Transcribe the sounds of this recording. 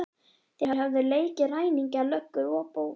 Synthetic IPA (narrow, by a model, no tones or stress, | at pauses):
θɪhaɦavðɪleːjcɪraːjniɲcalœhkːʏɾɔːpow